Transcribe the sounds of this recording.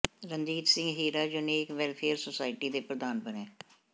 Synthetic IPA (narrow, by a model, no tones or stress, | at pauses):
ɾənd̪iːt̪sɪ̃ŋɡɦiːɾaːd͡ʒʊnẽːɪkʋɛlpʰeːəɾsʊsaːɪʈiːd̪eːpɾəd̪aːnbənɛ̃ː